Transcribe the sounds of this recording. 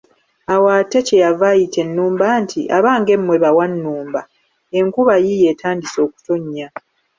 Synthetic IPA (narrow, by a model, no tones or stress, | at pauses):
awate̞cejavajitʰe̞nːuːmbaːntʰiʔa̰βaːŋɡe̞mːwe̞βawanːuːmba | e̞ŋkuβajije̞ːtʰaːndiso̞ːku̥toɲːa